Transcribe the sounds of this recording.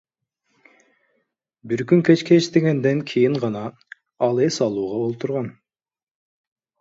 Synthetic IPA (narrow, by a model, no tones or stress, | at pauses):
biɾkʲyŋkʲʰet͡ʃkʲet͡ʃt̪eɡʲend̪ɛŋkʲʰijiɴʁɑnɑ | ɑlˠesɑlˠuːʁɑolˠt̪ʰuɾʁɑn